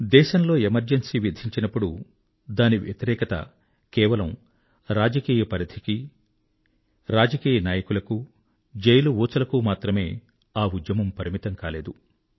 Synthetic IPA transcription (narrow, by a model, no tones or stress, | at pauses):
d̪ɛːʃɐmlo̞ːemɐɾd͡ʒɐnsiːʋid̪ʱiɲt͡ʃinɐpːuɽu | d̪aːniʋjɐ̰t̪iɾɛːkɐt̪ɐ̰ | kɛːʋɐlɐm | ɾaːd͡ʒɐkiːjɐpɐɾɐd̪ʰʱiki | ɾaːd͡ʒɐkiːjɐnaːjɐkulɐku | d͡ʒejluuːt͡sɐlɐkumaːt̪ɾɐme̞ː | aːud̪jɐmɐmpɐɾimit̪ɐŋkaːle̞ːd̪u